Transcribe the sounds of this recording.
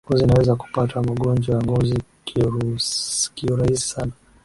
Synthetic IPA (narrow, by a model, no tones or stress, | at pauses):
ŋɡɔziːnawɛzaku̥patamaɠɔnd͡ʒwawaŋɡɔzik | kiuɾahisi̥sana